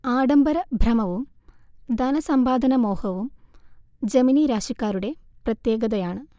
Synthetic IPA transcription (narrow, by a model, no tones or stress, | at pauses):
aːɽɐmbɐɾɐbʱrɐmɐʋum | d̪ʱɐnɐsɐmbaːd̪ʱɐnɐmo̞ːhɐʋum | d͡ʑɐminiɾaːʂikːaːɾuɽe̞prɐt̪je̞ːɡɐðɐjaːɳɨ